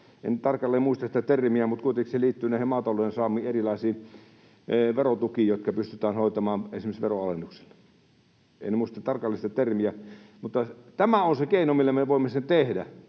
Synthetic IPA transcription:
ḛnt̪ɑrkɑlːeːmuist̪ɑsit̪æt̪ermiæmut̪̚kuit̪ekiseliːt̪ːyneˑihemɑt̪ɑlːˑoensɑːˑmˑiːerilɑˑesiː | ʋerot̪ukijoˑt̪̚kɑpyst̪yt̪æːnhoˑit̪ɑmɑːnḛsimesʋeroɑlenːukse̥lːe | ḛinmuist̪ɑt̪ɑrkɑlːˑist̪ɑt̪ermiæmut̪ːɑt̪æmæonsekeˑinomilːemeʋoˑimːesent̪ehdæ

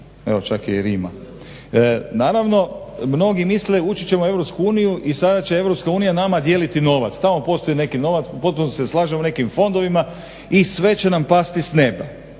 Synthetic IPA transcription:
ḛot͡ʃakijeɾiːma̰ | naːɾaʋno̞mno̞ɡimisle̞ut͡ʃit͡ɕe̞moe̞ʋɾopskuuːnijuʔisad̪at͡ɕe̞e̞ʋɾopskauːnijanamad̪je̞ːlit̪ino̞ʋa̰t̪st̪amo̞po̞st̪o̞ine̞kino̞ʋat̪spo̞t̪̚punose̞slˠaːʒemone̞kimfo̞nd̪o̞ʋima | isʋe̞t͡ɕe̞nampast̪isne̞ba

